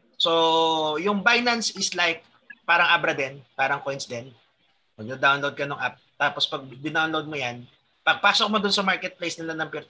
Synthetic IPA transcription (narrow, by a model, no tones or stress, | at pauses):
sojʊŋbajnɐnsɪslajk̚ | paːɾɐŋʔabɾɐd̪ɛnpaːɾɐŋkojnsd̪ɛn | mɐɡjod̪awnlowd̪̚kɐnʊŋʔap̚t̪aːpospɐɡ̚b̪ɪnawnlod̪̚mojan | pɐɡ̚paːsok̚mod̪ʊnsɐmaɹkɛt̪̚plejsnɪlanɐŋpɪɾt̪